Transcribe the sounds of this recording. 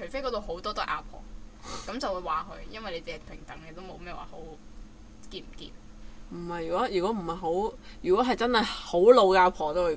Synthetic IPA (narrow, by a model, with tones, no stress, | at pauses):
t͡ʃʰɵ˨˩fe˥jkɔ˨˧˥t̪o˨˧wɦo˨˥wt̪ɔː˥t̪ɔː˥ʔaː˧˥pʰɔ̰ː˨˩kɐ˨˥mt͡sɐ˨wuː˨˧jwaː˨kʰɵ̰˨˧ɥjɐ˥nwɐ˨jle˨˧t͡siː˨ɐ˨pʰɪ˨˩ŋt̪ɐ˨˥ŋlɛː˧t̪o˥wmo̰˨˧wmɛː˥wa̰ː˨˩ho˨˥w | kiː˧˩m˨˩kḭː˧p | m̩˨˩hɐ˨jyː˨˩kɔː˨˥jyː˨˩kɔ˨˥m̩˨˩hɐ˨jɦo˨˥wjyː˨kɔː˨˦˥ɦɐ˨jt͡sɐ˥nhɐ˨jho˨˥wlo˨˧wkɛː˧ʔaː˧˥pʰɔː˨˩t̪o˥wu˨˧˩